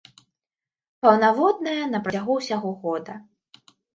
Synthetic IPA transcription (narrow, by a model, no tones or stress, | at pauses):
pɐwnavɔd̪̚nɐjɐnɐpɾɐt͡sʲaɣuwsʲaɣɔɣɔd̪ɐ